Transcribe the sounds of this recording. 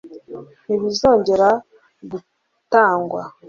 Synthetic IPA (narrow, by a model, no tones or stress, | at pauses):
niβizo̞ːɲɟe̞ɾa | ɡu | taːŋɡwa